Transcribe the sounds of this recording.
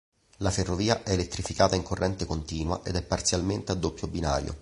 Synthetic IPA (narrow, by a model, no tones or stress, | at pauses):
laferːoviːaʔɛːlet̪ːɾifikaːt̪aiŋkorːɛnt̪ekont̪iːnwa̰ʔed̪ɛpːart̪sjalment̪ead̪ːopːjobina̰ːɾjo̰